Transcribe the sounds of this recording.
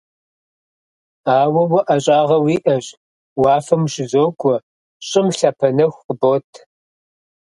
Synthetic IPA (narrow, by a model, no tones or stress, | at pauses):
aːwɐwɐʔɐɕʼaːʁɐwiːʔɐɕ | wɑːfɐmʃɪzoːkʷʰɔ | ɕʼɪmɬaːpʰɐnɐxʷqəboːtʰ